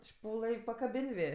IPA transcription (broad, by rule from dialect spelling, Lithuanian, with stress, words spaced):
ˈʃpuːlˠɘ ɪ pɐkɐˈbʲɪnʲ ˈʋʲeː